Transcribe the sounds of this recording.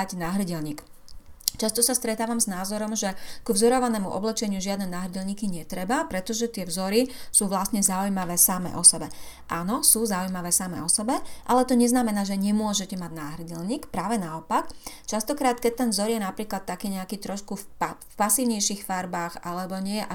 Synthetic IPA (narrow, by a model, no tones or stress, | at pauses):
anaːɦr̩ɟɛlɲiːk | t͡ʃast̪ɔsast̪ɾɛt̪aːʋamznaːzɔɾɔmʒɛkuvzɔɾɔʋanɛːmuʔɔblɛt͡ʃɛɲɪuʒɪad̪nɛːnaːɦr̩ɟɛlɲiːkiɲɛt̪ɾɛbapɾɛt̪ɔʒɛt̪ɪɛvzɔɾisuːʋlasɲɛzaujmaʋɛːsamɛ̰ʔɔsɛbɛ | ʔanɔsuːzaujmaʋɛːsamɛ̰ɔsɛbɛʔalɛt̪ɔɲɛznamɛnaːʒɛɲɛmʊɔʒɛcɛmaɟnaːɦr̩ɟɛlɲiːkpɾaːʋɛnaɔpakt͡ʃast̪ɔkɾaːt̪kɛc̚t̪ɛnvzɔɾjɛnapɾiːklat̪ːakiːɲɛakiːt̪ɾɔʃkupfpasiːʊɲɛjʃixfaɾbaːxalɛbɔɲɪɛʔa